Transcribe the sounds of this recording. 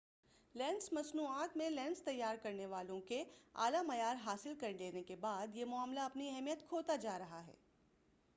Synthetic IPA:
lɛ̃ːnsmɐsnuːaːt̪mẽlɛ̃ːnst̪ɐjːaːɾkɐɾneʋaːlõkea̰ːlamɐjaːɾɦaːsɪlkɐɾleːnekebaːd̪jemʊaːmlaɐpniɛɦmijət̪kʰoːt̪ad͡ʒaːɾɐɦaɦɛ̰ː

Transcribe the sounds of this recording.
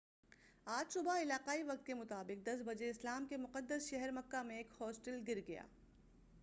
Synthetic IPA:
aːd͡ʒʃʊbaɪlaːqaːiʋɐq̚t̪kemʊt̪aːbɪq̚d̪ɐs̬bɐd͡ʒeɪslaːmkemʊqəd̪ːəsʃɛɦɛɾmɐkːamẽeːkhɔːsʈəlɡɪɾɡɐja̰ː

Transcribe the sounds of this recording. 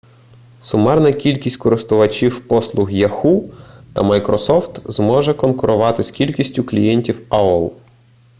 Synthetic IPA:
sʊmɛrnɐkʲilʲkʲisʲtʲkɔɾɪst̪ʊʋɐt͡ʃʲiwpɔslˠʊxjɐxut̪ɐ̰mɐjkɾɔsɔft̪zmɔʒɛkɔnkʊɾʔʊʋɑt̪ɪskʲilʲkʲisʲtʲʊklʲijɛnʲtʲiwaɔlˠ

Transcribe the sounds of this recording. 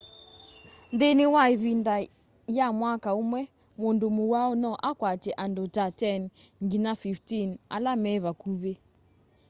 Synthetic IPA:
ndenewaeβinda | jamwakaomwɛ | mondomowaɔnɔʔakwat͡ʃɛʔandotatɛnŋɡinafiftina̰lamɛβakuβe

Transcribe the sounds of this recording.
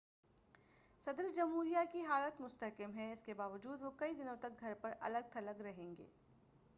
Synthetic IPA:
sɐd̪ɾd͡ʒɐmɦuːɾijakiɦaːlət̪mʊst̪ɐɦkəmɦɛɪskebaːʋəd͡ʒuːd̪ʋokɐid̪ɪnõt̪ɐk̚ɡʱɐɾpɐɾʔɐ̰ləɡ̚t̪ʰɐləɡɾɐɦẽːŋɡḛː

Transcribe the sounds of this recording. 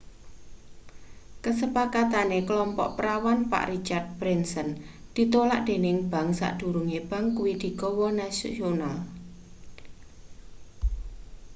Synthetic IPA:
kəsəpakat̪anekəlɔmpɔ̰ʔpəɾawanpa̰ʔrit͡ʃart̪̚b̥ɾɛnsənd̪̥i̤t̪olaʔd̪̥e̤nɪŋb̥a̤ŋsa̰ʔd̪̥ṳɾuŋeb̥a̤ŋkuwid̪̥i̤kɔwɔnasonal

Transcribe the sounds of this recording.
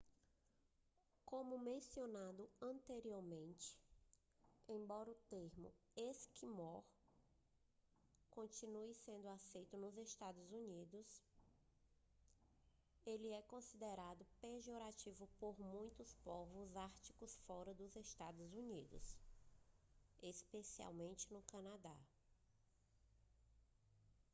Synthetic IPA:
kõmʊmẽsionad̪ʊɐ̃nt̪eɾioɾmẽnt͡ʃɪ̥ | ẽj̃bɔɾɐʊt̪eɾmʊ̰eskimɔɾ | kõnt͡ʃinuisẽnd̪ʊasejt̪ʊnʊzest̪ad̪ʊzunid̪ʊs | elɪɛkõsid̪eɾad̪ʊpeʒoɾat͡ʃivʊpoɾmũj̃t̪ʊspɔvʊzaɾt͡ʃi̥kʊsfɔɾɐd̪ʊzest̪ad̪ʊzunid̪ʊ̰s | espesia̰wmẽnt͡ʃɪnʊkɐ̃nad̪a̰

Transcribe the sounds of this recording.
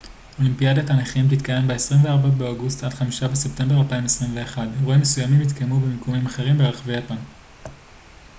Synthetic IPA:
o̞limpijadataneχimt̪it̪kaje̞mbeesʁimveaʁbabeoɡustadχamiʃabese̞pt̪e̞mbe̞ʁalpaimesʁimve̞ːχadʁoimːesujamimit̪kajmubemikumimaχe̞ʁimbeaχvejapan

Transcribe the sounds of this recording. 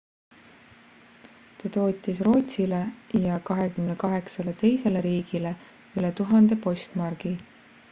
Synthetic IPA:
t̪ɑt̪o̞ːt̪ʲːˑisro̞ːt̪ʲsile̞jɑkɑɦe̞kymne̞kɑɦe̞ksɑle̞t̪e̞jse̞le̞ɾiːɡ̥ile̞ | ylet̪uɦɑnd̪e̞po̞st̪mɑrɡ̥i

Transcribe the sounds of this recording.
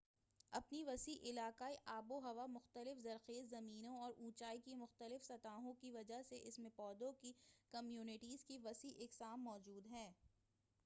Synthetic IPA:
ɐpniʋɐsiʔɪlaːkaːiʔaːboɦɐʋamʊxt̪əlɪfzɐɾxeːzzɐmiːnõɔːɾʔũːt͡ʃaːikimʊxt̪əlɪfsɐt̪aːɦõkiʋɐd͡ʒaɦseʔɪsmẽpɔːd̪õkikɐmjuːnɪʈiːzkiʋɐsiʔɪksaːmːɔːd͡ʒuːd̪ɦɛ̃ː

